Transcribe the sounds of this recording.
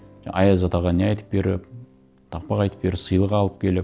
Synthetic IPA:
ʔɑjɑzɑt̪ɑʁɑneɑjt̪ə̥p̚be̞ɾɪ̰p | t̪ʰɑq̚pɑqɑjt̪ə̥p̚be̞ɾɪpsəjlˠəqɑlˠəp̚kʲʰe̞lɪp

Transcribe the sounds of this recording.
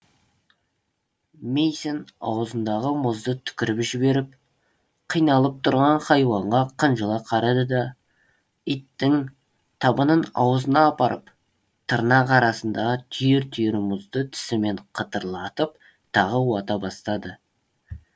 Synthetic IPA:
mejsenɑ̰wəzənd̪ɑʁəmʊzd̪ət̪ʰʏ̥kʲɪɾɪpʒɪbe̞ɾɪp̚ | qʰijnɑlˠəp̚t̪ʰʊɾʁɑɴχɑjwɑɴʁɑqʰənʒəlˠɑqʰɑɾɑd̪əd̪ɑ | ijt̪ːɪŋ | t̪ʰɑbənənɑ̰wəzənɑːpɑɾʔəp | t̪ʰəɾnɑqʰɑɾɑsənd̪ɑʁət̪ʰʏjeɾt̪ʰʏjeɾmʊzd̪ət̪ʰɪ̥sɪme̞ɴqʰət̪əɾlˠɑt̪əp | t̪ʰɑʁəwɑt̪ɑbɑst̪ɑd̪ə

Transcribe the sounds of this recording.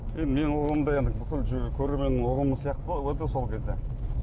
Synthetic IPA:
je̞nd̪ɪme̞nɪwoʁəmd̪ɑje̞nd̪ɪbʏkʲɪlʒkʲʰɵɾeme̞nɪoʁəməsijɑqt̪əʁowɵt̪eso̞lˠkʲʰe̞zd̪e

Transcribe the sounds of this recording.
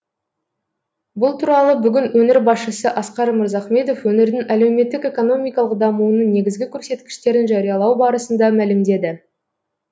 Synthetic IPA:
bʊlˠt̪ʰuɾɑlˠəbʏɡʲɪnwɵnɪɾbɑsʃəsəʔɑsqɑɾməɾzɑχme̞d̪o̞fwɵnɪɾd̪ɪŋæle̞wme̞t̪ːɪke̞ko̞no̞mijkɑlˠəq̚d̪ɑmuənəɴne̞ɡʲɪzɡʲɪkʲʰɵɾse̞t̪kʲɪ̥ʃt̪e̞ɾɪnʒɑɾijɑlˠɑwbɑɾəsənd̪ɑmælɪmd̪e̞d̪ɪ

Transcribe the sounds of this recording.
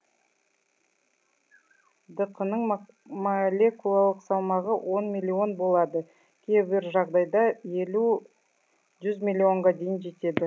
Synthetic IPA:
d̪əqənəɴ | malʲe̞kulˠalˠəqsɑwmɑʁəwʔo̞nmʲilʲːio̞nbo̞lˠɑd̪ə | kʲʰe̞bɪɾʒɑʁd̪ɑjd̪ɑje̞lu | ʒʏzmʲilʲːio̞ɴʁɑd̪e̞jɪnʒe̞t̪e̞d̪ɪ

